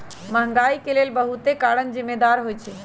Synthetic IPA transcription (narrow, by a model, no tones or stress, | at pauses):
məɦə̃ŋɡaikelelbəɦut̪ekaɾənzimːed̪aɾɦojt͡ʃʰɛ